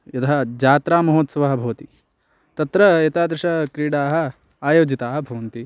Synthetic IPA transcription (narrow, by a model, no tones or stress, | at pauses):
jɐt̪ʰɐɦɐd͡ʒaːt̪ɾaːmɐɦoːt̪sɐʋɐɦɐ̆bʱɐʋɐt̪i | t̪ɐt̪ɾɐet̪aːd̪ɾɐʂɐkɾiːɽaːɦɐ̆ | aːjoːd͡ʒit̪aːɦɐ̆bʱɐʋɐnt̪i